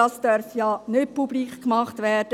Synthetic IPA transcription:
ɑːsd̥œɾfjɑnøt̚publiːkkmɑχtʋɛɾd̥ə

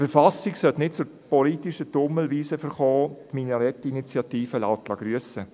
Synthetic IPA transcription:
fɛɾfasiksœltnɪt̚t͡sʊɾpɔlitiʃədʊməlʋiːsəfəɾχɔːt̪minəɾɛtinit͡sjɑt̪iːfəlaʊtlɑɡ̥ɾyəsə

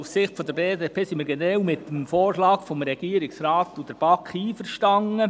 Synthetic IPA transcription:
ussɪχtfod̪əɾbeːdeːpʰeːsimiːɾɡ̥enɾɛwmɪtːəmfoːrʃlɑːɡ̥fɔmɾɛɡ̥iəɾɪksɾɑːtːud̥əɾb̥ɑkχiːfəɾʃtɑŋːə

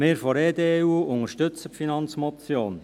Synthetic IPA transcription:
mɪːɾfɔɾeːd̪eːuːʊŋəʃtʏt͡səpfinɑnt͡smɔt͡sjoːn

